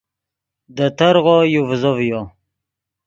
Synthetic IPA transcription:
d̪ət̪əɾʁojuvzovjo

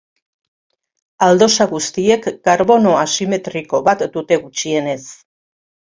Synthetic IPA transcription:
ald̪o̞saɣust̪ie̞kɡaɾβo̞no̞asime̞t̪ɾiko̞βat̪d̪ut̪e̞ɣut͡ʃie̞ne̞s

